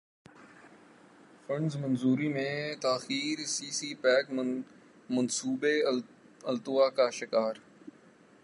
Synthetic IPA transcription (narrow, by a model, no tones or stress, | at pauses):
fə̃ɳɖzmənzuːɾiːmẽːt̪aːxiːɾsiːsiːpɛːk | mənsuːbe | əlt̪ʊwaːkaːʃɪkaːɾ